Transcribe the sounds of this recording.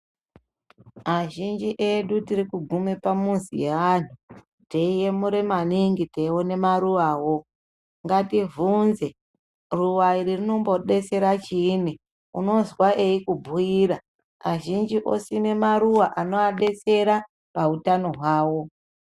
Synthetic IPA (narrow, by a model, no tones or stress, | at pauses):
maʒind͡ʒiʔe̞ɗutiɾikuɡʱume̞pamunzḭjeʋan̤u | teije̞muɾemaniŋɡiteiwone̞maɾuwaːwo̞ | ŋɡativunze̞ | ruwaiɾirino̞mbo̞ɗe̞t͡se̞ɾat͡ʃiːni | ṵno̞zwaʔe̞ikubʱuiːɾa | aʒind͡ʒiʔo̞̰sine̞maɾuwaʔano̞aɗe̞t͡se̞ɾa | pautano̞ɦwaːwo̞